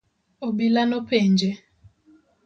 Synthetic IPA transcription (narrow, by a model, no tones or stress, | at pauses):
oɓilanopend͡ʒɛ